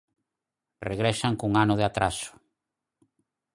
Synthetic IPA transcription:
reɣɾɛʃaŋkuŋanʊð̞eat̪ɾasʊ̥

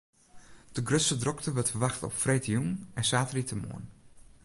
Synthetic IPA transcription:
d̥əɡrøtsədrɔktəʋətfəɹʋaxtɔ̰pfreːtjumɛnsaːtəritʰəmo̰ən

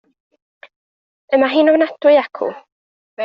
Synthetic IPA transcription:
əmaɦiːnɔvənadwʊakʰʊ̰

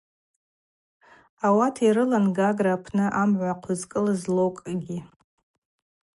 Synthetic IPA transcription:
awatʰiɾɨlanɡaɡraːpʰnɨʔamʕʷaqʷʰʊzkʼɨlɨzlowkʼɡʲi

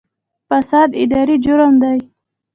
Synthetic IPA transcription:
fasɑd̪ɪ̰d̪ɑɾid͡ʒʊɾand̪aj

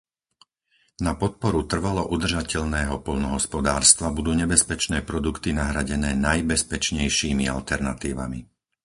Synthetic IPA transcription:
napɔt̪̚pɔɾut̪r̩ʋalɔʔud̪r̩ʒacɛʎnɛːɦɔpɔʎnɔɦɔspɔd̪aːɾst̪ʋabud̪uːɲɛbɛspɛt͡ʃnɛːpɾɔd̪ukt̪inaɦɾaɟɛnɛːnajbɛspɛt͡ʃɲɛjʃiːmia̰lt̪ɛɾnat̪iːʋa̰mḭ

